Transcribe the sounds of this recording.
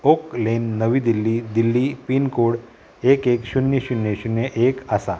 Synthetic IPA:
oklenːəʋiːd̪ilːid̪ilːipiːnkoɽ | ekekɕunjeɕunjeɕunjeʔekasa

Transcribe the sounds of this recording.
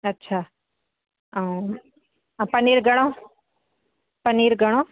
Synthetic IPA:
ɐtːʃʰaː | pɐniːɾɡʱɐɽ̃õ | pəniːɾɡʱəɽ̃õː

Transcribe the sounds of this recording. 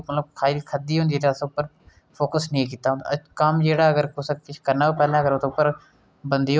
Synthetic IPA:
mət̪ləb̚kʰaːikʰəd̪iːɦõnd̪ieɾasʊpːəɾ | pʰoːkəsnĩːkiːt̪aːɦõːnd̪a̰kəmd͡ʒeːɽaːəɡəɾkʊsəkɪt͡ʃkəɾnaːoːpɛːlãːkəɾot̪ːʊpːəɾ | bənd̪iː

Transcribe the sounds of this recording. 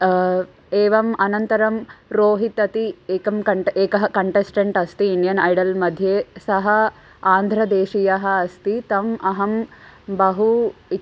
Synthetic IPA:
eːʋɐmɐnɐnt̪ɐɾɐmɾoːɦit̪ɐt̪ieːkɐmkɐeːkɐɦɐkɐɳʈesʈɐɳʈɐst̪iinijɐnɐjɽɐlmɐd̪ʱjeːsɐɦɐ | aːnd̪ʱɾɐd̪eːʂijɐɦɐːst̪it̪ɐmɐɦɐmbɐɦu

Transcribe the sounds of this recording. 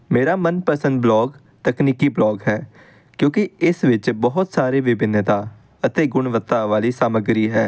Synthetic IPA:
meːɾaːmənpəsə̃nd̪̚blɔːɡ | t̪əkniːkiːblɔːɡɦɛː | kjõːkɪɪsʋɪt͡ʃbɔɦʊt̪saːɾeːʋɪbɪnːət̪aː | ət̪eːɡʊɳʋət̪ːaːʋaːliːsaːməɡɾiːɦɛː

